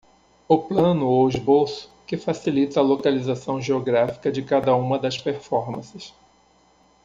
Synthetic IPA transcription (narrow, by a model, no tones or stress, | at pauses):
ʊplɐ̃nʊoɪzbowsʊ̥kɪfasilit̪ɐːlokalizasɐ̃w̃ʒeoɡɾafi̥kɐd͡ʒɪkad̪ɐũmɐd̪ɐspeɾfɔɾmɐ̰̃sɪs